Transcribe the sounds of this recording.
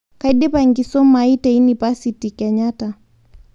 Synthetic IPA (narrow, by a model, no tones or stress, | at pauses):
kaiɗɛpaŋɡisɔmaitainipasitikɛɲata